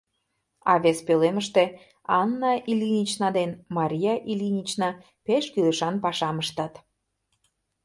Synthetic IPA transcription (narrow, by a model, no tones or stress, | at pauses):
ɑβespøleməʃt̪e | ɑnːɑʔilʲinʲit͡ɕnɑd̪enmɑɾʲijɑʔilʲinʲit͡ɕnɑ | peʃkyləʃɑnpɑʃɑməʃt̪ɑt̪